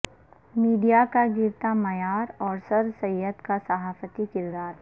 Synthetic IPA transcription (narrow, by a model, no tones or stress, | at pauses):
miːɖijakaɡɪɾt̪amɐjaːɾɔːɾsɐɾsɐət̪kasɐɦaːfət̪ikɪd̪ɾaːt̪